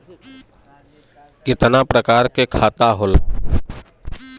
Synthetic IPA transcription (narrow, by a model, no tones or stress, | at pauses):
kɪt̪napɾəkaːɾkekʰaːt̪aɦol